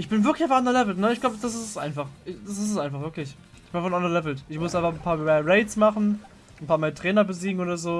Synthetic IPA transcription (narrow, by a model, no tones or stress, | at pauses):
ʔɪçb̥ɪnvɪɐklɪçaʊfʔandʁɐlɛvl̩tnəɪçɡ̥laʊbəd̥asɪstsʔaɪnfaχʔɪd̥as̬ɪstɛsʔaɪnfaχvɪɐklɪç | ɪçb̥ɪnaʊfanʔandɐlɛvl̩tʔɪçmʊsʔaɪnfaχn̩pʰaːɐmɛʁeɪtsmaχn̩ | n̩pʰaːɐmaːtʁ̥ɛːnɐbəziːɡŋ̩oːdɐzoː